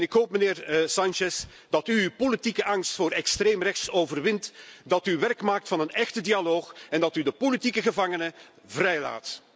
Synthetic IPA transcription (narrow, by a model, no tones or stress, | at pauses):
nɪkɦoːp̚məneːrsɑnt͡ʃɛs | d̥ɑtypolitikəʔɑŋstfoːrɛkstreːmrɛxtsoːvərʋɪntdɑtyʋɛrkmaːk̚tfɑnənɛxtədialoːxɛndɑtydəpolitikəɣəvɑŋənə | vrɛjla̰ːt